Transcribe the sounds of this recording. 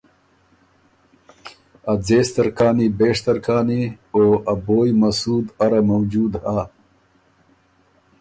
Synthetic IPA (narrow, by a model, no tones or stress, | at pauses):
ɐd͡zeːst̪ɐɾkaːnibeːʂt̪ɐɾkʰaːnioːɐboːjmɐsuːd̪ɐɾamɐwd͡ʒuːd̪haː